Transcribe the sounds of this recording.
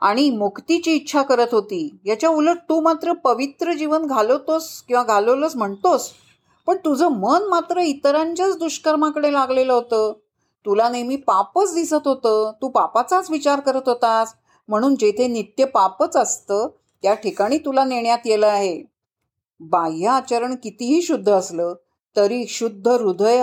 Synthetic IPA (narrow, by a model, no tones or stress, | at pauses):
a̰ɽ̃imukʰt̪it͡ɕiːtːɕʰakəɾət̪ɦot̪iːjat͡ɕjauləʈ̚t̪uːmat̪ɾəpəʋit̪ɾəd͡ʑiʋənɡʱalət̪oskĩw̃ʋaɡʱalələsm̤əɳt̪os | pəɳt̪ud͡zəːmənmat̪ɾəit̪ɾãɲt͡ɕat͡sd̪uɕkəɾmakəɽelaɡleləɦot̪əː | t̪ulanemiːpapət͡sd̪isət̪ɦot̪əːt̪uːpapat͡sat͡sʋit͡ɕaɾkəɾət̪ɦot̪as | m̤əɽ̃uːnd͡ʑet̪ʰenit̪jəpapət͡səst̪əː | t̪jaʈʰikaɽ̃iːt̪ulaneɳjat̪jeləaɦe | bajaːt͡ɕəɾəɳkit̪iɦiːɕud̪ʱːəːsləː | t̪əɾiːɕud̪ʱːəɾud̪ʱəj